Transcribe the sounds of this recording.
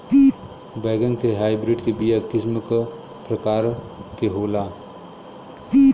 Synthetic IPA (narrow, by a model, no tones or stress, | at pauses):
baːɡənkeɦaːibɾɪɖkebijakɪsmək | pɾɐkaːɾ | keɦoːlaː